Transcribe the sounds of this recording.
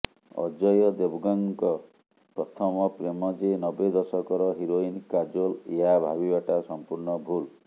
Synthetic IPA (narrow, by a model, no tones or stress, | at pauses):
ɔ̰d͡ʒɔjɔd̪ebɔɡaŋkɔ | pɾɔt̪ʰɔmɔpɾemɔd͡ʒenɔbed̪ɔsɔkɔɾɔɦiɾoinkad͡ʒoleɦabʱabibaʈasɔmpuɾɳɔbʱul